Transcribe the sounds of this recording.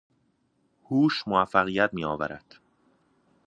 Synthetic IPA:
huːʃmoæfːæɣijæt̪miːɒːvæɾæd̪̥

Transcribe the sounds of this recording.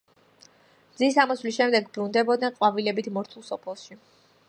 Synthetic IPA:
d̪zisamɔswlisʃɛmd̪ɛɡbɾund̪ɛbɔd̪̚nɛnqʼwavilɛbit̪ʰmɔɾt̪ʰulˠsɔpʰɛlˠʃi

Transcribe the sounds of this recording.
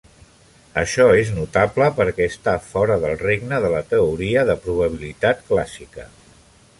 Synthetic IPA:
əʃɔeznut̪abləpəɾkɛəst̪afɔɾəðəlˠreɡnəðələt̪əuɾiəðəpɾuβəβ̞ilit̪at̪klasikə

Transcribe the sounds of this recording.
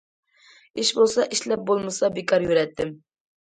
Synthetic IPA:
ɪʃbolˠsɑʔɪʃlæp̚bolˠmɨsɑbekʰɑɾjuɾɛt̪ʰːɪm

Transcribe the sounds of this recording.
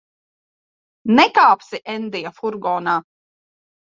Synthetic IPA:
nɛkaːpsiʔɛnd̪ijafuɾɡɔːnaː

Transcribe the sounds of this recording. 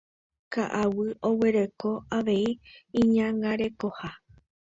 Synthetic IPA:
kaʔawɨo̞we̞ɾe̞ko̞aʋe̞iĩɲãŋɡaɾe̞ko̞ha

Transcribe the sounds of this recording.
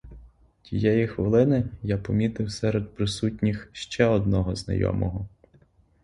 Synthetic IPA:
tʲijɛjixʋɪlˠɪnɪjapɔmʲit̪ɪwsɛɾed̪̚pɾɪsutʲnʲixʃt͡ʃɛɔd̪̚nɔɦɔznɐ̰jɔ̰mɔɦɔ

